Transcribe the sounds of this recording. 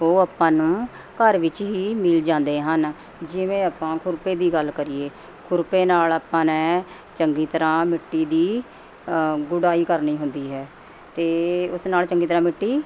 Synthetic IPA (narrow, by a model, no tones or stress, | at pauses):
ɦoːaːpːãːnũː | kəɾʋɪt͡ʃɦiːmɪld͡ʒãːnd̪eːɦən | d͡ʒɪʋẽːaːpãːkʰʊɾpeːd̪iːɡəlkəɾiːeː | kʰʊɾpeːnaːlaːpːãːnɛ̃ː | t͡ʃəŋɡiːt̪əɾãːmɪʈːiːd̪iː | ɡʊɽaːiːkəɾniːɦʊnd̪iːɦɛː | t̪eːʊsnaːlt͡ʃəŋɡiːt̪əɾãːmɪʈːiː